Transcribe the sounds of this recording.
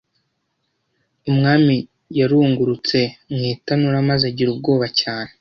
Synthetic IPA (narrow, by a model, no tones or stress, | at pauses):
umŋaːmi | jaɾuːŋɡuɾut͡se̞mŋiːtanuɾamazaɟiɾub̚ɡo̞ːβacaːne